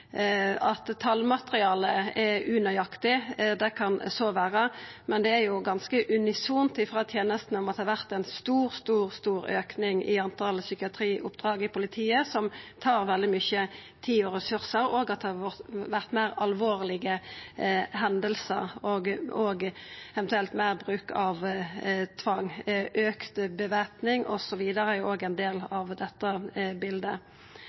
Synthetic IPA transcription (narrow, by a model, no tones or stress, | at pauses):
ɑt̪t̪ʰːɑlmɑt̪əʁɪɑːləɛʉnɑjɑkt̪ɪd̪ɛkʰɑnsoːʋæːʁəmɛnd̪ɛæɾjʊɡɑnskəʔʉnɪsuːnt̪ɪfʁɑːt̪ʰjeːnəst̪n̩ɔmɑt̪hɑɾʋæʁt̪ɛnst̪uːʁst̪uːʁst̪uːɾøːknɪŋɪ̰ɑnt̪ʰɑlsʏkɪɑt̪ʰɾiːʔʊ̰pd̪ʁɑːɡɪpʊlɪt̪ʰiːəsɔmt̪ʰɑːʁʋɛld̪ɪmʏçə | t̪ʰiːɔʁɛsʉʁsəɾoːɡɑt̪̚ɛhɑʋʋæʁt̪mæɪʁɑlʋoːʁlɪɡə | ɦɛnd̪əlsə̰ʁoːɡoːɡɛʋnt̪ʉɛlt̪mæːʁbʁʉːkɑʋ | t̪ʰʋɑŋʔøːkt̪bəʋeːpnɪŋʔɔ̰sɔʋiːd̪əʁəoːɡɛɪnd̪eːlɑʋd̪ɛt̪ːəbɪld̪ə